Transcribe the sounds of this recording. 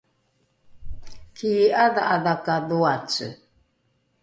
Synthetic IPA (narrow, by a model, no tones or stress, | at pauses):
kʰiaðaʔaðakaðuat͡sə̰